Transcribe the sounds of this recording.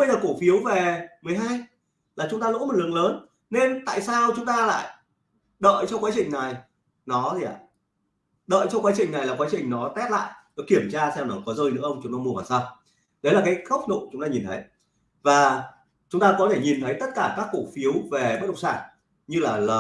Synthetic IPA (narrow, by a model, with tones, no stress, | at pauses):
ə˧jlaː˨˩ku˧˩fi˨˦ə˦wve˨˩mɨ˨˩əjɦaː˧j | laː˨˩t͡ɕʊ˨˦ŋ͡mt̪aː˧lo̰˧˥m̚˨˩lɨ˨əŋləː˨˦n | ne˧nt̪a̰ː˧˨jsaː˧wt͡ɕʊ˨˦ŋ͡mt̪aː˧la̰ː˧˨j | ɗə̰ː˧˨jt͡ɕɔ˧kwaː˨˦t͡ɕï˨˩ŋ̟na˨˩j | nɔ˨˦t̪ʰi˨˩a˨˩ | ɗə̰ː˧˨jt͡ɕɔ˧kwaː˨˦t͡ɕï˨˩ŋ̟na˨˩jlaː˨˩kwaː˨˦t͡ɕï˨˩ŋ̟nɔ˨˦t̪ɛ˦˥t̚la̰ː˧˨jnɔ˨˦ki˧˩əmt͡ɕaː˧sɛ˧wnɔ˨˦kɔ˨˦zəː˧jnɨ̰˧˥əʔə˧ŋ͡mt͡ɕʊ˨˦ŋ͡mt̪aː˧˦mu˧əvaː˨˩saː˧w | ɗə˨˦laː˨˩kaː˨˦jxə˦˥k͡p̚no̰˧˨t͡ɕʊ˨˦ŋ͡mt̪aː˧ɲi˨˩nt̪ʰə˨˦j | vaː˨˩ | t͡ɕʊ˨˦ŋ͡mt̪aː˧kɔ˨˦t̪ʰe˧˩ɲi˨˩nt̪ʰə˨˦jt̪ə˦˥t̚kaː˧˩kaː˦˥kːu˧˩ək̚fi˨˦ə˦wve˨˩ɓə˦˥ɗə˨˩k͡pŋ͡msaː˧˩n | ɲɨ˧laː˨˩ləː˨˩